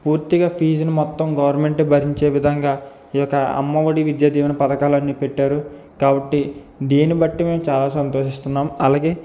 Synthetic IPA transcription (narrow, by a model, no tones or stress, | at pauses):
puːɾt̪iɡaːpʰiːd͡ʒɐnumɔt̪ːɐmɡɐʋɐɾme̞ɳʈebʱɐɾiɲt͡ʃe̞ːʋid̪ʱɐŋɡaː | ijɔkːɐɐ̰mːɐʋɐɽiʋid̪jaːd̪ʱiːʋɐnɐpɐd̪ɐkaːlɐnːiːpeʈːaːɾu | kaːbɐʈːi | d̪eːnibɐʈːime̞ːmt͡ʃaːlaːsɐnt̪o̞ːʃist̪unːaːmɐlaːɡe̞ː